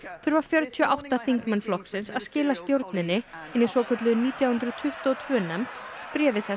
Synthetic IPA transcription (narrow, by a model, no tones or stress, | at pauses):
θœɾvaɾ̥fjœɾt̪ʰiɔʔawht̪aθiŋkmanflɔhksɪnsaðscɪːlast̪jowɾt̪nɪnːɪɪnːɪsɔːkʰœt̪lʏðʏniːt̪jawhʏnt̪ɾʏt̪ʰʏht̪ɔːt̪ʰvœːnɛmt̪ | pɾjɛːvɪθɛ